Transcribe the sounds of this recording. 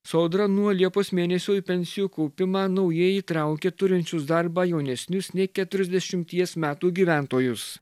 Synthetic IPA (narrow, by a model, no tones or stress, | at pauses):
sɒʊd̪ɾɐnuɔlʲiɛpoːsmʲeːnʲɛsʲoːpʲɛnʲsʲɪjuːkɔʊpʲɪmɑːnɒʊjiɛjiːt̪ɾɑˑʊkʲɛt̪ʊɾʲɪnʲt͡ʃʲʊsd̪ɐɾbɑːjɛʊnʲɛsʲnʲʊsnʲɛɪkʲɛt̪ʊɾʲɛzʲd̪ʲɛʃʲɪmʲt̪ʲiɛsmʲæːt̪uːɡʲiːʋʲæˑnt̪oːjʊs